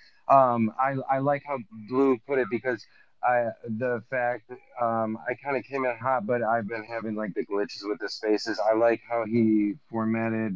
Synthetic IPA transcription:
ʔʌ̃ma̰ɪa̰ɪlaɪkhaʊblupʰʊɾɨt̚b̥ɨkʰʌz | ʔaɪðɨfæk̚ʌ̃ma̰ɪkʰãɪ̃ndɨkʰẽɪ̃mɨ̃nɦɑt̚b̥ʌɾaɪvbɨ̃nɦævɪ̃ŋlaɪk̚ð̥ɨɡlɪ̃t͡ʃɨzwɨðɨspeɪsɨzaɪlaɪkhaʊifɔɹmæɾɪd̚

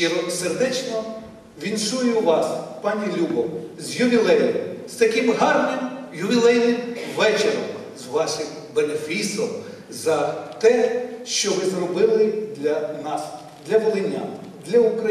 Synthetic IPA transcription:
ɔserd̪ɛt͡ʃnɔ | ʋʲinʃujʊʋɑspɑnʲilʲubɔmzjʊʋʲilˠɛjɪmst̪ɐkɪmɦɑrnʲemjʊʋʲilˠɛjnɪmʋɛt͡ʃeɾɔm | zʋɑʃɪm | benefʲisɔm | zɐt̪ɛʃt͡ʃɔʋɪzrɔbɪlˠɪd̪lʲɐnɑs | d̪lʲɐʋɔlˠɪnʲːa̰ | d̪lʲɐʊkɾɐ

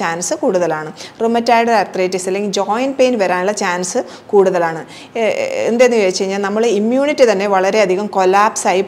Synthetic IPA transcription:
aːnsɨkuːɽuðɐlaːɳɨrɨmɐtːaːjɽɐɾart̪reːtːisɐlːeŋɡild͡ʑoːjnpejnʋɐɾaːnuɭːɐt͡ɕaːnsɨ | kuːɽuðɐlaːɳɨ | ḛnd̪enːɨʋeːt͡ɕːɐiɲːaːlnɐmːɐɭeimjuːɳitːɨt̪ɐnːeʋɐɭɐɾe̞ɐd̪ʱiɣɐmko̞laːpsaːji

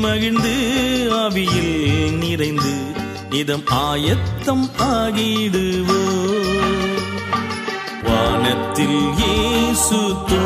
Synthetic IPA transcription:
mɐɣɪnd̪ɯɐʋɪjɪlnɪrɐɪnd̪ɯ | nɪðɐmaːjɐt̪ːɐmaːɣɪɽɯʋoː | ʋaːnɐt̪ːɪljeːsuːt̪ːo

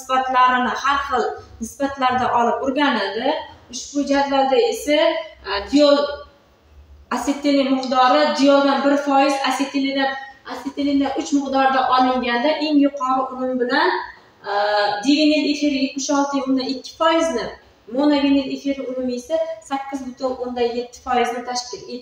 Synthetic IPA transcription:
nɪsbat̪laɾɪnɪhaɾχɨlˠnɪsbat̪laɾd̪aʔɒlˠɪp̚ʊɾɡʲanɪld̪ɪʊʃbʊd͡ʒad̪valˠd̪aesad̪ijol | aset̪ʰːelɪmɪqd̪ɒɾɪd̪ɪjolˠd̪anbɪɾfɒjɪzaset̪ʰːelɪd̪aaset̪ʰːelɪd̪anʔʊt͡ʃmɪqd̪ɒɾd̪aʔɒlˠɪŋɡʲand̪aʔe̞ŋjʊqʰɒɾɨʔʊmʊmbɪlan | d̪eɡʲanjɪle̞fiɾɪje̞t̪mɪʃɒlˠt̪ʰɪjond̪anɪkʲʰːɪ̥fɒjɪznɪ | monaɡʲanɪlefiɾɪʊmʊmesasakʲːɪzbɪt̪ʰʊlond̪anje̞t̪ʰːɪ̥fɒjɪznɪt̪ʰaʃkʰʲɪle

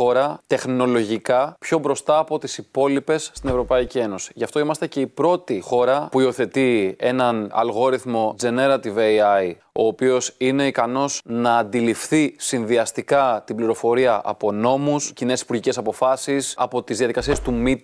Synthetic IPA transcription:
o̞ɾɐt̪e̞xno̞lo̞ʝikɐpço̞bɾo̞st̪ɐːpo̞t̪isipo̞lipe̞sːt̪ine̞vɾo̞pɐicie̞no̞si̥ʝɐft̪o̞imɐst̪ece̞ipɾo̞t̪ixo̞ɾɐpuio̞θe̞t̪ie̞nɐnɐ̰lɣo̞ɾiθmo̞d͡ze̞ne̞ɾɐt̪iveɐj | o̞ːpio̞sine̞ikɐno̞znɐːnd̪ilifθisinðiɐst̪ikɐt̪ibliɾo̞fo̞ɾiɐʔɐ̰po̞no̞muscine̞sipuɾʝice̞sɐpo̞fɐsisɐ̰po̞t̪izðiɐðikɐsiest̪umit̪

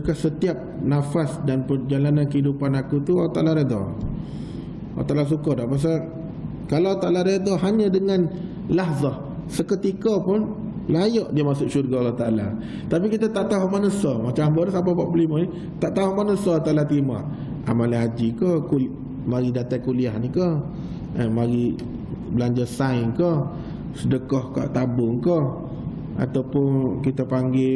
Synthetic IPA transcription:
səkasət̪iap̚nafasdanpərd͡ʒalanankəidupanakut̪uaat̪aʔlaɾed̪ɔ̰ | ala̰t̪aʔlas̬ukɔdaʔpas̬a | kalaat̪aʔlaɾed̪ɔɦaɲə̃dəŋan | laɦzah | səkət̪ikəpʊn | lajɔʔdiəmasʊʔʃurɡaalaht̪ala̰ | t̪apikit̪at̪aʔt̪aɦumanəsɔmat͡ʃambəɾsampapaʔbəlimani | t̪aʔt̪aɦumanəsɔt̪aʔlat̪ima | ʔa̰malaɦad͡ʒikəku | maɾidat̪ajkuliahnikə | əmaɾi | bəlaɲd͡ʒasainkə | sədəkɔhka̰ʔt̪abʊŋkə | a̰t̪awpʊnkit̪əpaŋɡɪ

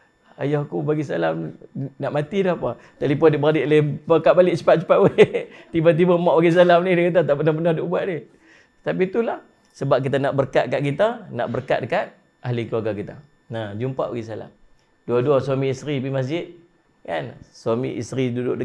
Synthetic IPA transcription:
a̰jahkubaɡisa̰lamnaʔmat̪idahpa | t̪alipɔndɪʔbəɾadɪʔlebəkaʔ̪balɪʔ̚t͡ʃə̥pat̪̚t͡ʃə̥pat̪ʔwt̪ibat̪̬ibamaʔbaɡis̬alamnidikit̪̬at̪aʔbənahbənadoʔbuaʔdɪ | t̪apit̪ulah | səbap̚kit̪anaʔbərkaʔ̪̚kaʔkit̪ana̰ʔbərka̰ʔ̪̚dəkat̪̚ | aɦlikluaɡakit̪a̰ | nad͡ʒumpa̰ʔbaɡisala̰m | duaduaswamiːsɾibimas̬d͡ʒɪt̪̚ | ka̰nswamḭʔist̪ɾidudʊ̰ʔ̚də

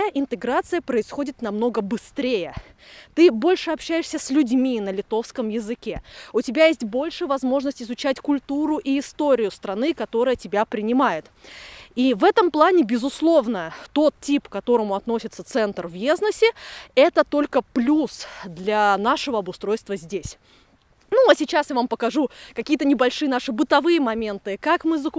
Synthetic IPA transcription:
aʔɪnt̪ɨɡɾat̪sɨjəpɾəɪsxo̞dʲɪt̪nɐmno̞ɡəbɨst̪ɾʲejət̪ɨbo̞lʲʂɨɐpɕːæjɪʂsʲəsʲlʲʉdʲmʲinəlʲɪt̪o̞fskəmjɪzɨkʲe̞ʊtʲɪbʲajesʲtʲbo̞lʲʂɨvɐzmo̞ʐnəsʲtʲɪzʊt͡ɕætʲkʊlʲt̪uɾʊʔiɪst̪o̞ɾʲɪjʊst̪ɾɐnɨkɐt̪o̞ɾəjətʲɪbʲapɾʲɪnʲɪmajɪt̪ | ivɛt̪əmplˠanʲɪbʲɪzʊslˠo̞vnət̪o̞t̪tʲipkɐt̪o̞ɾəmʊɐt̪no̞sʲɪt̪sət̪sɛnt̪rvʲjeznəsʲɪɛt̪ət̪o̞lʲkəplʲusd̪lʲanaʂɨvəɐbʊst̪ɾo̞jst̪vəzʲdʲesʲ | nuɐsʲɪt͡ɕasjavampəkɐʐukɐkʲijət̪ənʲɪbɐlʲʂɨjənaʂɨbɨt̪ɐvɨjəmɐmʲe̞nt̪ɨkakmɨzɐk

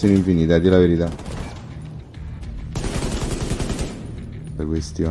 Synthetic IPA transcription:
oniɱfinit̪ad̪elaveɾit̪a | lakwest̪jo

